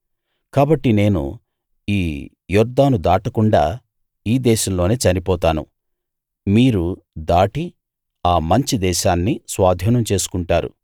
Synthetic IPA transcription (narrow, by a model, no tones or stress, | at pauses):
kaːbɐʈːine̞ːnṵ | iː | jɔɾd̪ːaːnud̪aːʈɐkuɳɖaː | iːd̪ɛːʃɐmlo̞ːneːt͡ʃɐnipɔːt̪aːnṵ | miːɾu | d̪aːʈi | aːmɐɲt͡ʃid̪ɛːʃaːnːisʋaːd̪ʱjɐːnɐmt͡ʃe̞ːsu̥kuɳʈaːɾṵ